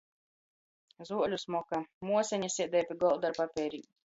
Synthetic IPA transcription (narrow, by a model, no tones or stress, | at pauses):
zuɔlʲusmɔkamuɔsʲɛɲasiɛd̪ɛjpʲiɡɔlˠd̪aɾpapʲɛːɾʲi